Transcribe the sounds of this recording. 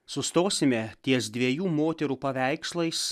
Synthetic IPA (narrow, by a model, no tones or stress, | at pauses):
sʊst̪oːsʲɪmʲɛt̪ʲiɛsd̪ʲʋʲiɛjuːmoːt̪ʲɛɾuːpɐʋʲæˑɪkslˠɐɪs